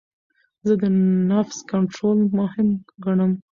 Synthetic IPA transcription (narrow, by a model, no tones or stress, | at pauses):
zəd̪ənafskaɳʈɾolmʊhɪmɡaɳəm